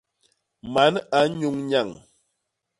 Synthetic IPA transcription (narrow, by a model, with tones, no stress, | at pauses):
ma˨˦na˨˦ɲu˦ŋɲa˦˨ŋ